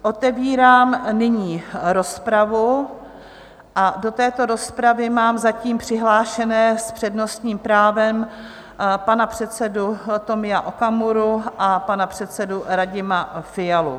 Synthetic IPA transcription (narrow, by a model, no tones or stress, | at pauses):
ʔot̪ɛviːɾaːmnɪɲiːɾo̞spɾavu | ʔado̞t̪ɛːt̪o̞ɾo̞spɾavɪmaːmzaciːmpr̥ɪɦlaːʃɛnɛːspr̝̥ɛdno̞st̪ɲiːmpɾaːvɛm | panapr̝̥ɛt̪t͡sɛdut̪o̞mɪjaʔo̞kamuɾuʔapanapr̝̥ɛt̪t͡sɛduɾaɟɪmafɪjalṵ